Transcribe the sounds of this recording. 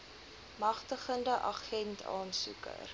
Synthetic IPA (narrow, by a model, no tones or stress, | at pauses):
mɐχtəχəndəʔɐχɛntʰɑ̰ːnsṵkə̰r